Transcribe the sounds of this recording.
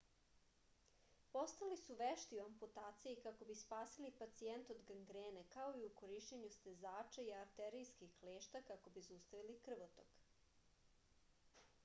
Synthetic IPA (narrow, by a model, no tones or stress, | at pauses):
po̞st̪alisuʋeʃt̪iuamput̪aːt̪sijikako̞bispaːsilipat̪sient̪o̞d̪ɡaŋɡɾeːnekao̞iukoɾiʃt͡ɕeɲust̪e̞zaːt͡ʃaiaɾt̪eɾijskixkleːʃt̪akako̞bizust̪aʋilikr̩ʋot̪ok